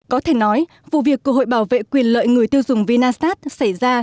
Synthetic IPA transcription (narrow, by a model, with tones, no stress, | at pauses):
kɔ˨˦t̪ʰe˧˩nɔ˨˦j | vṵ˧˨vi˨˩əkːṵ˧˨ɦho̰˧˨jɓaː˧˩wvḛ˧˨kwi˨˩ənlə̰ː˧˨jŋɨ˨˩əjt̪i˧əwzʊ˨˩ŋ͡mvi˧naː˧st̪aː˦˥t̚sa˧˩jzaː˧